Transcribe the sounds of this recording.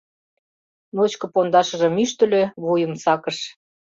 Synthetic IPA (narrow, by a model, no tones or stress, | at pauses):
not͡ɕkɤ̆pond̪ɑʃə̆ʒə̆myʃt̪ə̆lʲø̆βujə̆msɑkəʃ